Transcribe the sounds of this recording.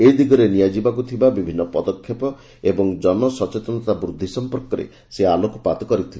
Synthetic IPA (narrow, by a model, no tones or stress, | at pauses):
eid̪iɡɔɾenijad͡ʒibakut̪ʰibabibʱinːɔpɔd̪ɔkʰːjepɔ | ebɔŋd͡ʒɔnɔsɔt͡ʃet̪ɔnɔt̪abɾud̪ʱːisɔmpɔɾkɔɾḛ | sealokupat̪ɔkɔɾit̪ʰil